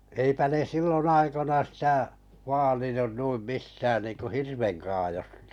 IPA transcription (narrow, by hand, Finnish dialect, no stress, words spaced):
eipæ ne silːon ɑikonɑ sitæ ʋɑːlinun nuim mistæːn niːŋku hirʋeŋkɑːjostɑ̥